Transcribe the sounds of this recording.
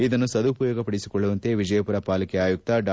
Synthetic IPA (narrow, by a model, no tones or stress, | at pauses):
id̪ɐnːusɐd̪upɐjɔːɡɐpɐɽisi̥kɔɭːuʋɐnt̪e̞ʋid͡ʒɐjɐpuɾɐpaːlɐkɛaːjuk̚t̪ɐɖ